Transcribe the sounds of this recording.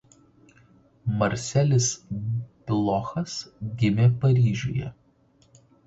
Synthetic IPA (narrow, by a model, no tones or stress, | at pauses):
mɐɾʲsʲɛlʲɪspʲlˠɔxɐsɡʲɪmʲepɐɾʲiːʒʲo̰ːjɛ̰